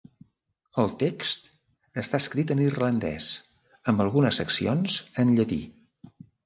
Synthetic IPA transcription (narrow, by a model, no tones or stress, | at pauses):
əlˠt̪ekst̪ | əst̪aəskɾit̪̬ənirlənd̪ɛ̰s | əmbəlˠɣunəsːəksionzənʎət̪ḭ